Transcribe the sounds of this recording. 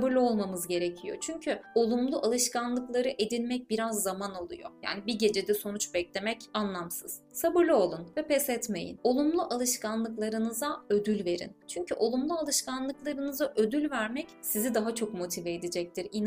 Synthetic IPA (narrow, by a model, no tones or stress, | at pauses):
bɯɾlʲˠo̞lˠmamɯzɟe̞ɾe̞cʰijo̞̰t͡ʃʰyɲcʰyo̞lˠumlˠuʔalˠɯʃkanlˠɯklˠaɾɯʔe̞d̪ilʲmɛc̚biɾazːamanalˠṵjo̞̰ja̰ːnibiɟe̞d͡ʒed̪ɛso̞nut͡ʃbɛclʲe̞mɛcanlˠamsɯz̥ | sabɯɾlʲˠio̞lˠunvɛpɛsɛt̪me̞jḭno̞lˠumlˠuʔalˠɯʃkanlˠɯklˠaɾɯnɯzaø̞d̪ylʲve̞ɾḭnt͡ʃʰyɲcʰyʔo̞lˠumlˠualˠɯʃkanlˠɯklˠaɾɯnɯzaʔø̞d̪ylʲvæɾmɛcsizid̪aɦat͡ʃʰo̞kmo̞t̪ʰivɛːd̪id͡ʒɛc̚t̪ʰiɾin